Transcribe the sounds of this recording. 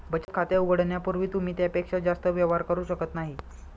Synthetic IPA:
bət͡ɕət̪̚kʰat̪jauɡəɽɳjapuɾʋiːt̪um̤iːt̪japekʂad͡ʑast̪əʋjəʋɦaɾkəɾuːɕəkət̪naɦi

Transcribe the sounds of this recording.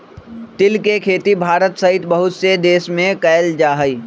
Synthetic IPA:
t̪ɪlkekʰeːt̪ibʱaːɾət̪sɐɦɪt̪bəɦʊt̪sed̪eːsmẽkɐːld͡ʒaːɦəiː

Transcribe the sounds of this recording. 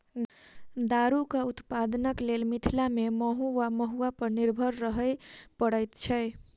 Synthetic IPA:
d̪aɾukaut̪pad̪ənəklelmit̪ʰilameməɦuwaməɦuapəɾniɾbʱəɾɾəɦəjpəɽəjt̪t͡ʃʰɛ

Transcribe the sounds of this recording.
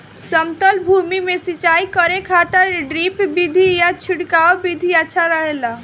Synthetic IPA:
səmt̪əlbʱumimesit͡ʃaikəɾekʰat̪əɾɖɾipbid̪ʱijat͡ʃʰiɽkaobid̪ʱiaːt͡ʃʰaɾəɦela

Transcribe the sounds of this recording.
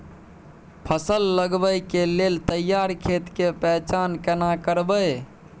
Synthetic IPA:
pʰəsəlːəɡbəjkelelt̪əjːaɾkʰet̪kepɛɦt͡ʃankənakəɾbəj

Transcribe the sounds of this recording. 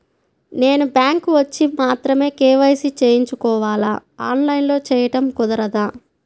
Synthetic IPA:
ne̞ːnubjaːŋkʋɐt͡ʃːimaːt̪ɾɐme̞ːkɛːʋɐjsit͡ʃeːjiɲt͡ʃukɔːʋaːlaːaːnlɐjnlo̞ːt͡ʃɛːjɐʈɐmkud̪ɐɾɐd̪aː

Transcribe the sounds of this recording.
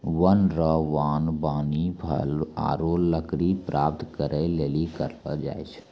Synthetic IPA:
ʋənɾəʋaːnbaːnibʱə̰la̰ːɾolːəkɾipɾʔaːp̚t̪kəɾəleːlikəɾlə̰d͡ʒa̰ːet͡ʃʰ

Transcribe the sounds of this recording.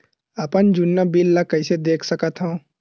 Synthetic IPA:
ɐpənd͡ʒʊnːəbilːakəɪsed̪eːkʰsəkət̪ɦõː

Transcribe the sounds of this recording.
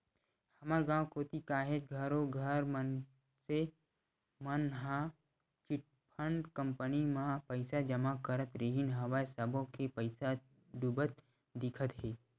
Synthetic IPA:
hɐmaːɾɡãːwkoːt̪ikaːɦed͡ʒɡʱəɾoɡʱəɾmən | se | mənɦã | t͡ʃɪʈ̚ | pʰəɳɖkə̃mpənimãpəɪsad͡ʒəmakəɾət̪ɾeɦinɦəʋajsəbʱõkepəɪsa | ɖubət̪̚ | d̪ɪkʰət̪ɦɛː

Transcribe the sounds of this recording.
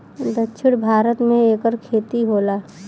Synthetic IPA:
d̪ətːt͡ʃʰʊɽbʱaːɾət̪mẽeːkəɾkʰeːt̪iɦoːlaː

